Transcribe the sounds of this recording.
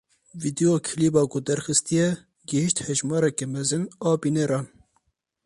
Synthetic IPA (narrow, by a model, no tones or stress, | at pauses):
vid̪ioːkʰiliːbɑːkʊd̪ɛɾxɨst̪ijɛ | ɡɪhiʃt̪hɛʒmɑːɾɛkɛmɛzɨnɑːbiːneɾɑːn